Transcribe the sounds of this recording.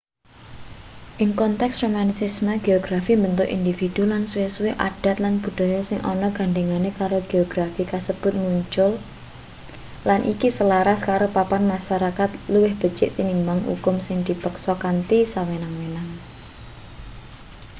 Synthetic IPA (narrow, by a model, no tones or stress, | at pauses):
ʔɪŋkɔnt̪ɛksromansismaɡ̥eɔɡ̥ɾafimbənt̪ʊʔḭnd̪ifid̪̥ulanswɪswɪhʔa̰d̥a̤t̪̚lanb̥ṳd̪̥ɔ̤jɔsɪŋʔɔ̰nɔɡ̥a̤ɳɖeŋanekaɾoɡ̥eoɡ̥ɾafikasəb̥ʊ̤t̪̚muɲt͡ʃʊl | lanʔḭkisəlaɾaskaɾopapanmaʃaɾakat̪luwɪhb̥ə̤t͡ʃɪʔt̪inimbaŋhṵkʊmsɪŋd̪̥ipəksɔkant̪isawenaŋwenaŋ